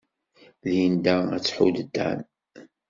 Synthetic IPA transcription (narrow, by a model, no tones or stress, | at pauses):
liənd̪ææ̰t͡sːħud̪əd̪ːæ̰n